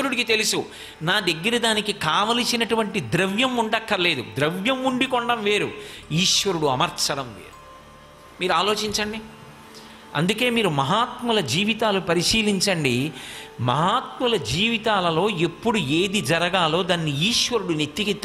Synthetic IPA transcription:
ɐɾuɽikit̪e̞lisu | naːd̪ɐɡːɐɾid̪aːnikikaːʋɐlisinɐʈuʋɐɳʈid̪ɾɐʋjɐmuɳɖɐkːɐle̞ːd̪ud̪ɾɐʋjɐmuɳɖikɔɳɖɐmʋe̞ːɾuiːʂʋɐɾuɽuɐmɐɾsɐɽɐmʋe̞̰ːɾu̥ | miːɾuaːlo̞ːt͡ʃiɲt͡ʃɐɳɖi | ɐ̰nd̪uke̞ːmiːɾumɐɦaːt̪mulɐd͡ʒiːʋit̪aːlupɐɾiʂiːliɲt͡ʃɐɳɖimɐɦaːt̪mulɐd͡ʒiːʋit̪aːlɐlo̞ːe̞pːuɽueːd̪id͡ʒɐɾɐɡaːlo̞ːd̪aːnːiiːʂʋɐɾuɽunet̪ːikit̪ː

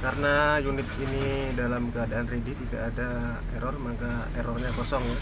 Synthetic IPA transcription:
kaɾənajunɪt̪̚inidalamkəadaanridit̪idaʔːda | ɛɾɔrmakaɛɾɔrɲakɔsɔŋ

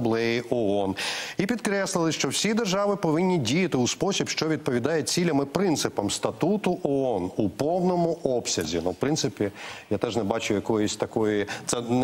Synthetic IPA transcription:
blˠɛjiʔɔɔnipʲid̪kɾɛslˠɪlˠɪʃt͡ʃɔwsʲid̪erʒɑʋɪpɔʋɪnʲːidʲijɐt̪ɪuspɔsʲibʃt͡ʃɔʋʲid̪̚pɔʋʲid̪ɑjɛt͡sʲilʲɐmɪpɾɪnt̪sɪpɐmst̪ɐt̪ut̪ʊʔɔɔnupɔwnɔmʊʔɔpsʲɐzʲḭnuwpɾɪnt̪sɪpʲijat̪ɛʒnɛbɑt͡ʃʊjɐkɔjɪsʲt̪ɐkɔjit̪sɛ

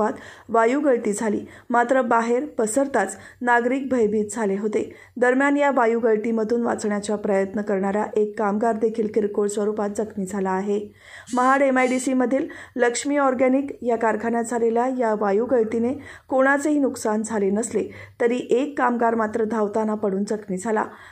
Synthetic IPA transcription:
at̪ʋajuɡəɭʈ̪iːd͡zʱalḭː | mat̪ɾəbaɦeɾpəsəɾt̪at͡s | naɡɾiːk̚bʱəjbiːt̪̚d͡zʱaleɦot̪e | d̪əɾmjanjaʋajuɡəɭʈ̪iməd̪ʱuːnʋa̰t͡sɳjat͡ɕjapɾəjət̪nəkəɾɳaɾaʔekːamɡaɾd̪ekʰiːlkiɾkoɭsʋəɾupat̪̚d͡zəkʰmiːd͡zʱalaːɦe | məɦaɽemajɖisiməd̪ʱiːlləkʂmiːɔɾɡænikjakaɾkʰanjad͡zʱaleljajaʋajuɡəɭʈ̪inekoɽ̃at͡seɦiːnuksand͡zʱalenəslet̪əɾiːʔekːamɡaɾmat̪ɾəd̪ʱawt̪anapəɽuːnd͡zəkʰmiːd͡zʱala̰

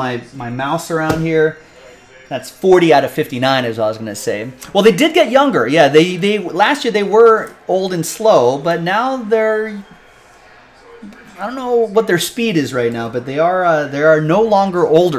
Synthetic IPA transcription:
aɪmaɪmaʊsə˞ãʊ̃nd̚hiɹ | ðætsfɔɹɾiaʊɾʌv̥fɪftinãɪ̃nɨzɔɪwʌzɡʌnɨseɪwɛlˠðeɪdɨd̚ɡɛt̚jʌ̃ŋɡə˞jæðeɪðeɪlæst̚jɪɹðeɪwə˞oʊlˠdɨ̃nsloʊbʌtⁿnaʊðə˞ | aɪdõnːoʊwʌt̪̚ðə˞spiɾɨzɹaɪtⁿnaʊbʌt̪̚ðeɪə˞ʌðə˞ːnoʊlɔ̃ŋɡə˞ʔoʊlˠdə

